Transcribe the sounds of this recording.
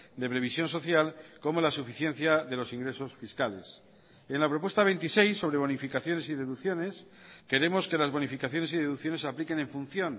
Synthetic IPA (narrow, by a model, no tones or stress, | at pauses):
d̪e̞pɾe̞β̞isjo̞nso̞θjalko̞mo̞lasufiθjen̟θjaðe̞lo̞siŋɡɾe̞so̞sfiskale̞̰s | enlapɾo̞pwest̪aβe̞nt̪ise̞jsːo̞βɾe̞β̞o̞nifikaθjo̞ne̞siðe̞ðuθjo̞ne̞s | ke̞ɾe̞mo̞ske̞lazβo̞nifikaθjo̞ne̞siðeðukθjone̞saplike̞nẽ̞ɱfun̟θjo̞n